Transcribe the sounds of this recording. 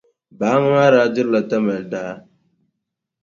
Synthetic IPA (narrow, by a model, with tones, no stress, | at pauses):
baː˨˦ŋ˦a˦ɾaː˨˦d͡ʒɪ˦la˨tɐ˦mɐ˨ldaː˦